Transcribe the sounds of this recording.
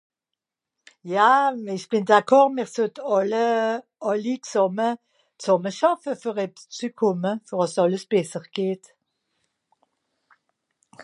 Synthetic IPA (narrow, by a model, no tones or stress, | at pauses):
jaːɪçb̥ɪndakʰɔʁmiːʁsʊtɑlə | ɑliksɔmə | t͡sɔməʃɑfəfyʁɛpt͡sykʰʊməfyʁɑsɑləsb̥ɛsəʁɡ̥eːt